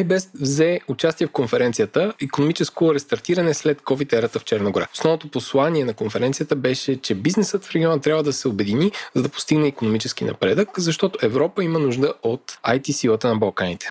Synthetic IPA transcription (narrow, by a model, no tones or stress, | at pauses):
ajbɛst̪vzɛʊt͡ʃast̪iɛfkonfɛɾɛnt̪sijət̪əikonomit͡ʃɛskoɾɛst̪ɐɾt̪iɾɐnɛslɛt̪kɔvit̪ɛɾət̪əft͡ʃɛɾnəɡoɾa̰o̥snɔvnot̪oposlˠaniɛnɐkonfɛɾɛnt̪sijət̪əbɛʃɛt͡ʃɛbiznɛsət̪fɾɛɡʲiɔnət̪ɾʲabvəd̪ɐsɛobɛd̪inizɐd̪ɐpo̥st̪iɡnɛikonomit͡ʃɛsk̟inɐ̰pɾɛd̪əkzɐʃt̪ɔt̪oʔɛvɾɔpəimənuʒd̪əot̪ajt̪isilˠət̪ənɐbɐlˠkanit̪ɛ̥